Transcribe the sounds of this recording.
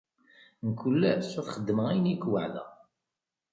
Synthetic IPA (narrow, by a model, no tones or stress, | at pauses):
nkːulːæsʊθχəd̪ːməæjnikwə̰ʕlæ̰